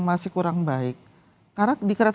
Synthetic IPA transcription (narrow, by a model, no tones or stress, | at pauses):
ŋmasɪhkuɾaŋbaɪk̚ː | aradikəɾat̪